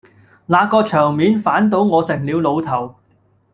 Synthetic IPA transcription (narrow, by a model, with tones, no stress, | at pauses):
laː˨˧kɔː˧t͡ʃʰœː˨˩ŋmiː˨˧nfaː˨˥nt̪o˨˥wŋɔː˨˧sɪ˨˩ŋliː˨˧wlo˨˧wt̪ʰɐ˨˩w